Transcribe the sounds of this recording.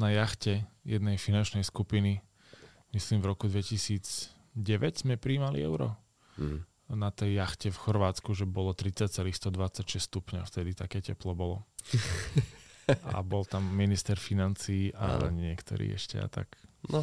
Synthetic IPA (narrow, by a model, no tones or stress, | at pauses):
najaxcɛjɛd̪nɛjfinant͡ʃnɛjskupini | misliːmvɾɔkud̪ʋɛcisiːd͡z | ɟɛʋɛɟz̥mɛpɾiːmalḭɛ̰ʊɾɔ̰ | nat̪ɛjːaxcɛfxɔɾʋaːt͡skuʒɛbɔlɔt̪ɾit͡sːac̚t͡sɛliːxst̪ɔd̪ʋat͡sːacʃɛsst̪upɲaft̪ɛd̪it̪akɛːcɛplɔbɔlɔ̰ | ʔa̰bɔlt̪amːinist̪ɛɾfinant͡siːʔa̰ɲɪɛkt̪ɔ̰ɾḭːɛ̰ʃcɛ̰a̰t̪a̰knɔ